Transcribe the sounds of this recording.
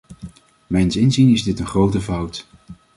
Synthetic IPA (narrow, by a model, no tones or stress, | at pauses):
mɛjnsɪnzinɪzdɪtənχrowtəvʌwt